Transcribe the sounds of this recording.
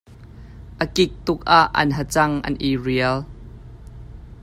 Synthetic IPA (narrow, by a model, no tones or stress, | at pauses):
ʔəkɪk̚t̪ʊk̚aʔːɐ̰nɦət͡sɐŋʔɐ̰nʔiriəl